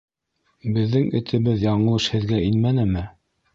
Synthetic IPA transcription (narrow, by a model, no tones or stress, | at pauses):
bɘ̆ðːɘŋɘ̆t̪ʰɘ̆βɘðjɑɴɤ̆lˠɤʃhɘ̆ðɡæinmænɘmɘ